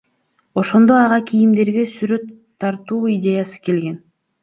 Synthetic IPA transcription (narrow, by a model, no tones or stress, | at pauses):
o̞ʃo̞nd̪o̞ɑʁɑkʰijimd̪e̞ɾɡe̞syɾø̞t̪ʰːɑɾt̪uːidʲe̞jasɯ̥ke̞lɡe̞n